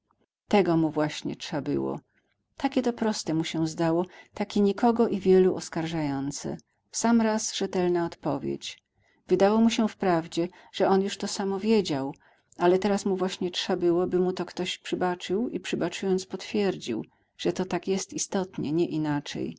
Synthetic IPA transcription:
t̪ɛɡɔmuvwaɕɲɛ̰t͡ʂʂabɘ̰wɔ̰ | t̪akʲɛt̪ɔpɾɔst̪ɛmuɕɛzd̪awɔt̪akʲeɲikɔɡɔʔivʲjɛluʔɔskaɾʐajɔnt̪sɛ̰ | samɾasʐɛt̪ɛlnaɔt̪pɔvʲjḛt͡ɕ | vɘd̪awɔmuɕɛfpɾavd͡ʑɛ | ʐ̥ɛɔnjuʂt̪ɔsamɔvʲjed͡ʑaw | alɛt̪ɛɾasmuvwaɕɲɛt͡ʂʂabɘwɔbɘmut̪ɔkt̪ɔɕpʂɘbat͡ʂɘwipʂɘbat͡ʂujɔnt̪spɔt̪fʲjɛɾd͡ʑḭw | ʐ̥ɛt̪ɔt̪akjɛst̪ist̪ɔt̪ɲɛ̰ɲɛʔinat͡ʂɛ̰j

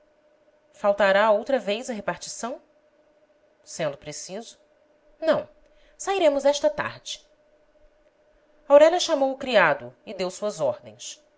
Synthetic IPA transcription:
fawt̪aɾaowt̪ɾɐvejzɐɦepaɾt͡ʃi̥sɐ̃w̃ | sẽnd̪ʊpɾesizʊ | nɐ̃w̃ | saiɾẽmʊzɛʃt̪ɐt̪a̰ɾd͡ʒɪ | awɾɛʎʲɐʃamowʊkɾiad̪ʊɪd̪ewsuɐzɔɾd̪ẽj̃s

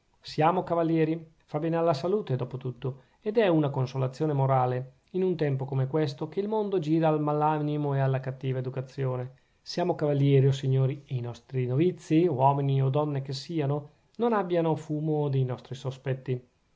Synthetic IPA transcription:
sjaːmokavalːjɛːɾi | fabɛːnealːasaluːt̪ed̪ɔːpot̪ut̪ːo | ed̪ɛunakonsolat̪sːjoːnemoɾaːle | inunt̪ɛmpokomekwest̪ok̟eilmond̪od͡ʒiːɾaːlmalanimoealːakat̪ːiːvaed̪ukat̪sːjoːne | sjaːmokavalːjɛːɾiosiɲːoːɾiejnɔst̪ɾinovit̪sːiwɔːminiod̪ɔnːekesːiːano | nonabːjanofuːmod̪ejnɔst̪ɾisospɛt̪ːi

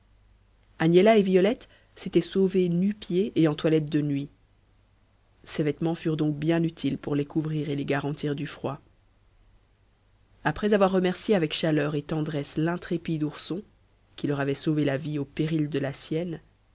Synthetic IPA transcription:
anjelaevijɔlɛt̪ | set̪ɛsovenypjeʔːɑ̃t̪walɛt̪̚d̪ənɥi | sevɛt̪mɑ̃fyʁd̪ɔ̃k̚bjɛ̃nyt̪ʰilpuʁlekuvʁiːʁeleɡaʁɑ̃t̪iʁd̪yfχwa | apχɛzavwaʁːəmɛʁsjeavɛkʃalœʁet̪ɑ̃d̪ʁɛslɛ̃t̪χepid̪uʁsɔ̃ | kʲilœʁavɛsovelaviopeʁild̪əlasjɛn

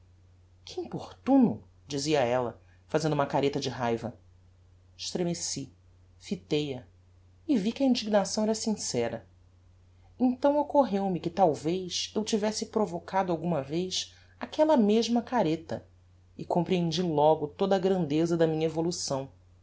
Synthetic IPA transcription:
kʰɪĩmpoχt̪ũnʊ | d͡ʒiziɐɛlɐ̰ | fazẽnd̪ʊũmɐkaɾet̪ɐd͡ʒɪɦajvɐ | ɪʃt̪ɾemesi | fit̪ejɐ | ɪvikʲɪɐĩnd͡ʒiɡnasɐ̃w̃ɛɾɐsĩsɛɾɐ | ẽnt̪ɐ̃w̃okoɦewmɪkɪt̪awvejʃewt͡ʃivɛsɪpɾovokʰad̪ʊawɡũmɐvejʃ | akʰɛlɐmeʒmɐkaɾet̪ɐ̰ | ɪkõmpɾiẽnd͡ʒilɔɡʊt̪od̪ɐːɡɾɐ̃nd̪ezɐd̪ɐmĩɲɐevolusɐ̃w̃

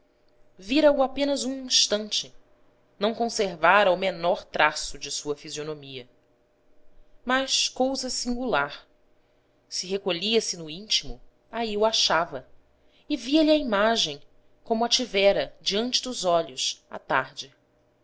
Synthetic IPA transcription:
viɾɐuapẽnɐzũĩʃt̪ɐ̃nt͡ʃɪ | nɐ̃w̃kõseɾvaɾɐumenɔɾt̪ɾasʊd͡ʒɪsuɐfizionomiɐ | mɐʃkowzɐsĩŋɡulaɾ | sɪɦekoʎiɐsɪnʊĩnt͡ʃimʊ | aiuaʃavɐ | ɪviɐʎiɐimaʒẽj̃ | kõmʊat͡ʃivɛɾɐd͡ʒiɐ̃nt͡ʃɪd̪ʊzɔʎʊsa̰t̪a̰ɾd͡ʒɪ

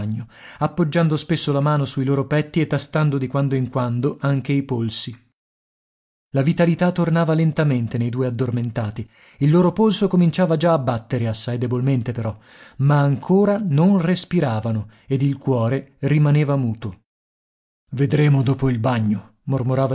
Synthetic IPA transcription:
ɲːoapːod͡ʒːand̪ospesːolamaːnosuiloːɾopɛt̪ːiet̪ːast̪and̪od̪ikwand̪oiŋkwand̪oʔaŋk̟eipolsi | lavit̪alit̪at̪ːornaːvalent̪ament̪enejd̪uːead̪ːorment̪aːt̪i | ilːoːɾopolsokomint͡ʃaːvad͡ʒaːbːat̪ːeɾeasːajd̪ebolment̪epeɾɔ | maːŋkʰoːɾanonrespiɾaːvano | ed̪ilkwɔːɾerimaneːvamuːt̪o | ved̪ɾeːmod̪oːpoilbaɲːo | mormoɾaːva

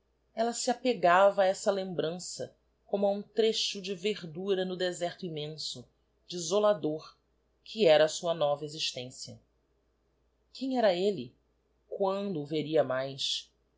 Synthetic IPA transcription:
ɛlɐsiapeɡavɐɛsɐlẽmbɾɐ̃sɐ̰ | kõmʊɐũt̪ɾeʃʊd͡ʒɪveɾd̪uɾɐnʊd̪ezɛɾt̪ʊĩmẽsʊ | d͡ʒizolad̪oɾ | kʰiɛɾɐːsuɐnɔvɐeziʃt̪ẽsiɐ | kʰẽj̃ɛɾɐelɪ | kwɐ̃nd̪ʊːveɾiɐmajs

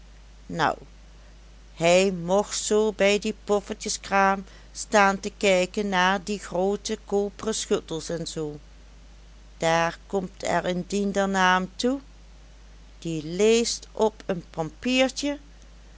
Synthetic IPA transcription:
nʌ̰w | hɛjmɔxtsoːbɛjdipɔfəɹtəskraːm | staːntəkɛjkənːaːɹdiχroːtəkoːpərəsxøtəlˠsɛnzoː | d̥aːɹkɔmtʰɛ̰ɹəndindəɹnaːmtu | d̥ilejstʔɔpʰənpɑmpiːɹtə

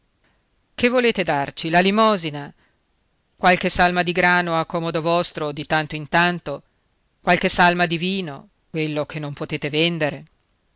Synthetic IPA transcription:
kevːoleːt̪ed̪art͡ʃilalimɔːzina | kwalkesalmad̪iɡɾaːnoakːɔːmod̪ovɔst̪ɾod̪it̪ant̪oint̪ant̪o | kwalkesalmad̪iviːno | kwelːok̟enːompot̪eːt̪evend̪eɾe

